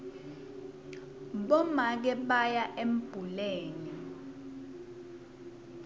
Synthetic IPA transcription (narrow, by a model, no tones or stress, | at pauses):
ɓɔmak̬ɛɓajaʔem̩b̥ʱuleːni